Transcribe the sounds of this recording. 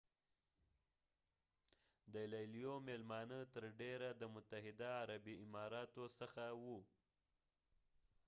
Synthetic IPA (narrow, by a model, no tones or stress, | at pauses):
d̪əlɑljomelmɑnət̪əɾɖeɾad̪əmʊt̪aɦɪd̪aːɾabiɪmɑɾɑt̪osəxawu